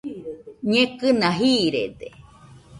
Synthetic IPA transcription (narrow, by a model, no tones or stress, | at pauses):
ɲẽkɨnãɦiɾḛd̪e